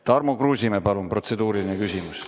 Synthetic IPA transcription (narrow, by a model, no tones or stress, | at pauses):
t̪ɑrmokruːsʲimepɑlumpro̞t̪se̞d̪uːɾilinekysimus